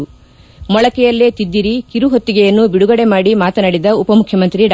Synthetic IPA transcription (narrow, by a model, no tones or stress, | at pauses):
mɔɭɐkɛjɐlːet̪id̪ːiɾikiɾuɦot̪ːiɡɛjɐnːubiɽuɡɐɽe̞maːɽimaːt̪ɐnaːɽid̪ɐupɐmukʰjɐmɐnt̪ɾiɖ